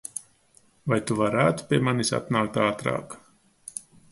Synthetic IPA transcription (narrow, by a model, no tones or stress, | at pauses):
vajt̪uvaɾaːt̪pʲiɛmanisa̰t̪naːk̚t̪aːt̪ɾa̰ːk